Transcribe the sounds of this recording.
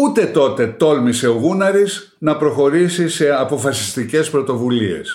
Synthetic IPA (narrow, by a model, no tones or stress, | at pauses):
ut̪e̞t̪o̞t̪e̞t̪o̞lmise̞oɣunɐɾiz | nɐpɾo̞xo̞ɾisise̞ɐpo̞fɐsi̥st̪ice̞spɾo̞t̪o̞vulie̞̰s